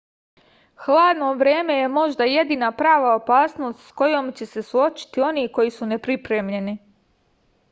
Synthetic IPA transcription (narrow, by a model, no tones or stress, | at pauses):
xlˠaːd̪no̞ʋɾe̞ːme̞je̞mo̞ʒd̪aje̞d̪iːnapɾaːʋaopaːsno̞st̪sko̞jo̞ːmt͡ɕe̞se̞suo̞t͡ʃi̥t̪io̞niːko̞jisune̞pɾipɾemʎe̞ni